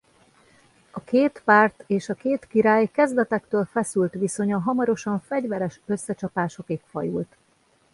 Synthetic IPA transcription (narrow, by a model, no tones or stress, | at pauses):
ɒkʰeːt̪paːrt̪eːʃɒkeːt̪kiɾaːjkɛzd̪ɛt̪ɛkt̪øːlfɛsylt̪ʋiso̞ɲɒɦɒmɒɾo̞ʃɒɱfɛɟvɛɾɛʃø̞sːɛt͡ʃɒpaːʃo̞keːkfɒ̰jṵlt̪